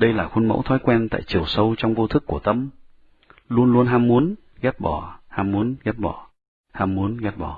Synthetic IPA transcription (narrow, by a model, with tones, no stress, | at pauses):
ɗə˧jlaː˨˩xwə˧nmə̰˧˥wt̪ʰwɔ˨˦jkwɛ˧nt̪a̰ː˧˨jt͡ɕi˨˩əwsə˧wt͡ɕɔ˧wŋ͡mvo˧t̪ʰɨ˦˥kːu˧˩ət̪ə˧m | lu˧ənlu˧ənɦaː˧mmu˨˦ən | ɣɛ˦˥t̚ɓɔ˧˩haː˧mːu˨˦ənɣɛ˦˥t̚ɓɔ˧˩ | haː˧mmu˨˦ənɣɛ˦˥t̚ɓɔ˧˩